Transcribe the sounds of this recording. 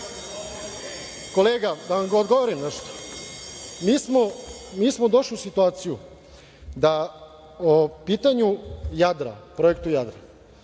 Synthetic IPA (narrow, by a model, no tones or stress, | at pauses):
ko̞leːɡad̪aʋamɡood̪ɡo̞ʋoɾimnɛʃt̪o̥ | miːsmomiːsmod̪oʃliusit̪uaːt̪siju | d̪a | opiːt̪aɲujad̪ɾa̰pɾo̞e̞k̚t̪ujad̪ɾa